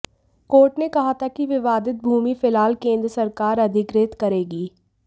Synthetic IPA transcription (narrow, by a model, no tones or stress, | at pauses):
koːɾʈnekɐɦat̪ʰakiʋɪʋaːd̪ɪt̪̚bʱuːmifɪlaːlkẽːnd̪ɾəsɐɾkaːɾɐd̪ʱɪkɾeːt̪kɐɾeːɡiː